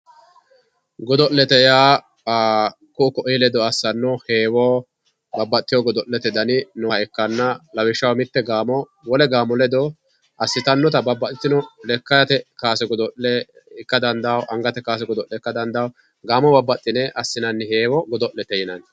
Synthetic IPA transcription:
ɡɔd̪ɔʔlːɛt̪ɛjaː | kʊʊkɔʔlɛd̪ɔɐsːɐnːɔheːwɔ | bɐbːɐt̪ːɪjɔɡɔd̪ɔʔlɛt̪ɛd̪ɐnɪnɔɛkːɐnːɐlɐwɪʃːɐwmɪt̪ːɛɡaːmɔ | wɔlɛɡaːmɔlɛd̪ɔ | ʔɐsːɪt̪ɐnːɔt̪ɐbɐbːɐt̪ːɪt̪ːɪnɔlɛkːɐjɐt̪ɛkaːsɛɡɔd̪ɔlɛ | ɪkːɐd̪ɐnd̪ɐwʔɐŋɡɐt̪ɛkaːs̬ɛɡɔd̪ɔlːɛkːɐd̪ɐnd̪ɐw | ɡaːmɔbɐbːɐt̪ʼːɪnɛɐsːɪnɐnːɪheːwɔɡɔd̪ɔʔlːɛt̪ɛjɪnɐn

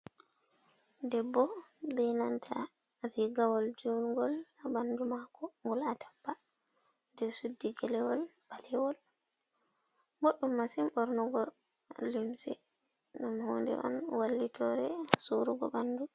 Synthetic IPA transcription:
dɛbːɔbɛjnantʰa̰ɾiɡawɔld͡ʒuːnuɡɔlabandumakɔŋɡɔlatḁbːa | dɛsudːiɡɛlɛwɔlb̥alɛwɔl | moɗːumːasimʔɔɾnɔɡɔlimsɛ̰nɔmhɔndɛ̰ʔɔ̰nwalːitʰɔɾɛsuɾuɡɔ̰bandu

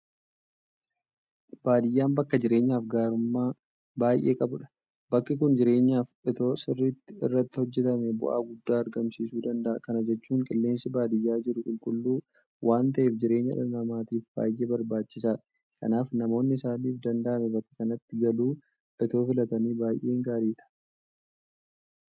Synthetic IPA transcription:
b̥aːd̪ɪjːaːmbɐkːɐd͡ʒɪɾe̞ːɲːaːfɡaːɾʊmːaː | baːjʔe̞̰ːkʼɐbʊᶑɐ̥ | bɐkːɪkʊnd͡ʒɪɾe̞ːɲːaːfʔɪt̪o̞ːsɪrːit̪ːɪɪ̰rːɐt̪ːɪhɔd͡ʒːɛt̪ɐmɛbʊ̰ʔa̰ːɡʊd̪ːaːɐɾɡɐmsiːsuːd̪ɐnd̪ɐʔɐkɐnɐd͡ʒɛt͡ʃːuːŋkʼɪlːe̞ːnsɪbaːd̪ɪjːaːd͡ʒɪɾʊkʼʊlkʼʊlːuː | wʔaːnt̪ɐʔeːfd͡ʒɪɾe̞ːɲːɐ̰ᶑɐnɐmaːt̪iːfba̰ːjʔe̞ːbɐɾbaːt͡ʃːɪsaːᶑɐ̥ | kɐ̰naːfnɐmo̞ːnːɪɪsaːniːfd̪ɐnd̪ɐʔɐmɛbɐkːɐ̥kɐnɐt̪ːɪɡɐluː | ʔɪt̪o̞ːfɪlɐt̪ɐniːbaːjʔe̞ːŋɡaːɾiːᶑɐ̥

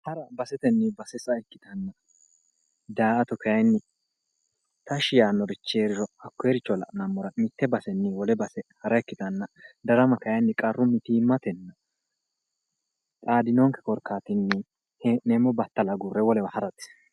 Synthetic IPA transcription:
hɐɾɐbɐsɛt̪ɛnːɪbɐsɛsɐɛkːɪt̪ɐnːɐ | d̪aːʔɐt̪ɔkɐjɐjnːɪ | t̪ɐʃɪjaːnːɔɾɪt͡ʃːeːɾɪɾɔɐkːɔeɾɪt͡ʃːɔlɐ̰ʔnɐmːɔɾɐmɪt̪ːɛbɐsɛnːɪwɔlɛbɐsɛhɐɾɐɛkːɪt̪ɐnːɐd̪ɐɾɐmɐkɐjɐnːɪkʼɐrːʊmːɪt̪iːmːɐt̪ɛnːɐ | t̪ʼaːd̪ɪnoŋkɛ̥kɔɾkaːt̪ɪnːɪ | neːmɔbɐt̪ːɐlɐɡʊrːɛwɔlɛwɐhɐɾɐt̪ːɪ̥

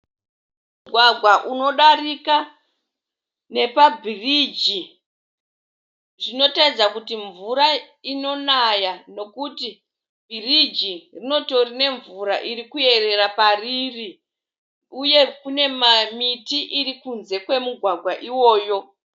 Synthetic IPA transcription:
mmuɡʱwaɡʱwaʔuno̞ɗarika | ne̞pabʱirid͡ʒi | ʐino̞taid͡zakutiɱvuɾa | ino̞najano̞kuti | bʱirid͡ʒirino̞to̞rine̞ɱvuɾaʔirikue̞re̞ɾapariri | uje̞kune̞mamitiʔiɾikunze̞kwe̞muɡʱwaɡʱwaʔiwo̞ːjo̞

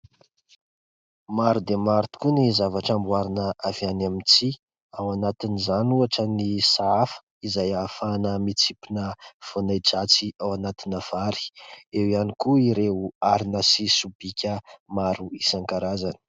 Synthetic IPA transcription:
maɾud̪emaɾt̪i̥kunizavaʈ͡ʂambuaɾinəavjanamit͡si | awanat̪inizanuaʈ͡ʂənisaafə̥ | izajafanəmit͡sipinəv̥onajd͡ʒat͡siawanat̪inəv̥aɾi̥ewianikuiɾeuaɾinəsisub̥ikʲəmaɾuisaŋkaɾazani̥

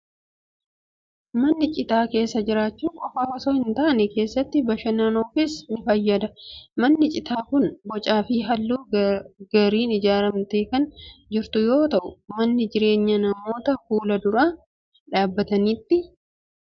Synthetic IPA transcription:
mɐnːɪt͡ʃʼɪt̪aːke̞ːsːɐd͡ʒɪɾaːt͡ʃːuːkʼɔfaːwɐsoːhɪnt̪ɐʔɐnɛke̞ːsːɐt̪ːɪbɐʃɐnaːnofɪsnɪfɐjːɐd̪ɐmɐnːɪt͡ʃʼɪt̪aːkʊnbɔt͡ʃʼaːfɪɦɐlːuːɡɐɾiːnɪd͡ʒaːɾɐmt̪e̞ːkɐnd͡ʒɪɾt̪ʊjo̞ːt̪ɐʔʊmɐnːɪd͡ʒɪɾe̞ːɲːɐnɐmo̞ːt̪ɐfuːlɐd̪ʊɾaː | ᶑaːbːɐt̪ɐniːt̪ːɪ

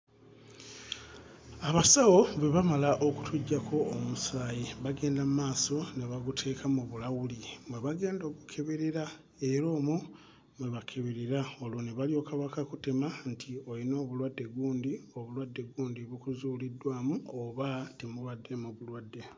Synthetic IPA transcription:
aβasawo̞βweβamalaʔo̞kutʰuɟːakʰo̞ːmusaːjiβaɡe̞ːndammaːso̞neβaɡutʰe̞ːkamuβulawulimweβaɡe̞ːndo̞ːɡukʰe̞βeɾiɾa | e̞ɾo̞ːmu | mweβakʰe̞βeɾiɾao̞loneβalio̞ːkaβakakutemantʰiojino̞ːβulwadːe̞ɡuːndio̞βulwadːe̞ɡuːndiβukuzulidːwaːmuoβatimulwadːe̞muβulwadːe̞

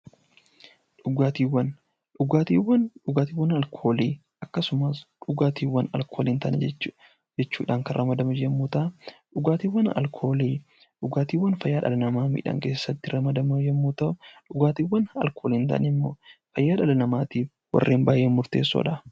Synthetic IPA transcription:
ᶑʊɡaːt̪iːwːɐn | ᶑʊɡaːt̪iːwːɐnᶑʊɡaːt̪iːwːɐnɐlkʰo̞ːliː | ɐkːɐsʊmɐsᶑʊɡaːt̪iːwːɐnɐ̰lkʰo̞ːlint̪ɐnd͡ʒɛt͡ʃː | d͡ʒɛt͡ʃːuːᶑaːŋkɐɾʔɐmɐd̪ɐmɐd͡ʒɛmːuːt̪ɐᶑʊɡaːt̪iːwːɐnɐ̰lkʰo̞ːliː | ᶑʊɡaːt̪iːwːɐnfɐjːaːᶑɐ̰lɐnɐmaːmḭːᶑɐ̰ŋke̞ːsːɐt̪ːɪɾɐmɐd̪ɐmɐd͡ʒɛmːuːt̪ɐʔʊᶑʊɡaːt̪iːwːɐnɐ̰lkʰo̞ːliːnt̪ɐ̰nɪmːo̞̰ːfɐjːaːᶑɐlɐnɐmaːt̪iːf | wɐ̰rːʔeːmbaːjʔeːmʊɾt̪e̞̰ːsːo̰ᶑɐ

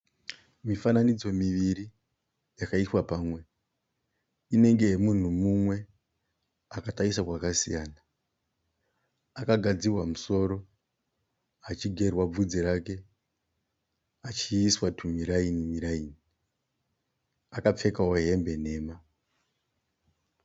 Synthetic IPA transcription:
mifananid͡zo̞miʋiri | jakaiswapaːmwe̞ | ine̞ŋɡe̞ɦemun̤umumwe̞ | akataisakwakasijaːna | akaɡʱad͡zirwamuso̞ɾo̞ | at͡ʃiɡʱe̞rwab͡vud͡ziɾake̞ | at͡ʃiːswatʰumiɾainimiɾaiːni | akap͡fe̞kawoɦe̞mbe̞ne̞ːma

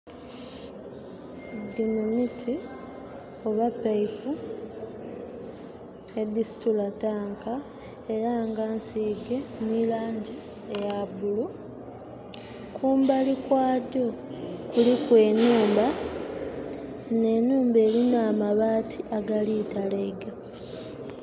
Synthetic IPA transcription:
dinunitʰi | o̞βapːaifu | ne̞d̪isi̥tulataːŋkʰa | e̞ɾaŋɡaːnsiːɡe̞nilaːɲɟi | ejabulu | kʰuːmbalikwaːdo̞kulikwe̞ːnuːmba | ne̞nuːmbe̞ːlinaːmaβaːtʰiʔaɡaliːtalaiɡa

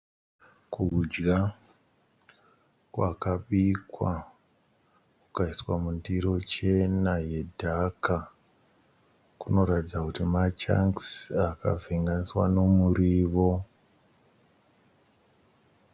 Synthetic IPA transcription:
kud͡ʒɡa | kwakaɓikwa | kukaiswamundiɾo̞t͡ʃe̞najedʱaka | kuno̞ɾatid͡zakutimat͡ʃa̰ŋksaka̰veŋɡaniswa̰no̞muɾiːʋo̞

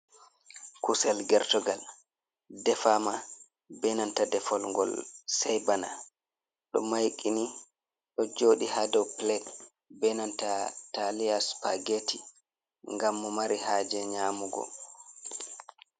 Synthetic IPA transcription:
kusɛlɡɛɾtɔɡal | dɛfama | bɛnantadɛfɔlŋɡɔ̰lsɛjbana̰ | ɗɔ̰majkʼini | ɗɔd͡ʒoːɗihadɛwplɛt | bɛnantataliaspaɡetʰi | ŋɡamːɔmaɾihaːd͡ʒɛɲaːmuɡɔ̰

